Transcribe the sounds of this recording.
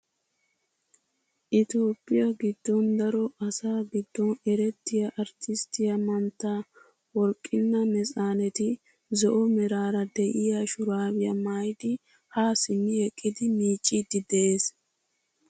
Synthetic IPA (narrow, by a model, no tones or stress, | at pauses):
ʔɪt̪oːpʼːɪjɐɡɪd̪̥ːɔnd̪ɐɾɔʔɐsaːɡɪd̪ːɔnɛɾɛt̪ːɪjɐʔɐɾt̪ɪst̪ɪjɐmɐnt̪ːaː | wɔɾkʼːɪnːɐmɛsʼaːnɛt̪ɪ | zɔʔɔmɛɾaːɾɐd̪ɛʔɪjaʃʊɾaːwɪjɐmajd̪ɪ | haːsɪnːɪɛkʼːɪd̪ɪmiːt͡ʃʼːid̪ːɪd̪ɛʔeːs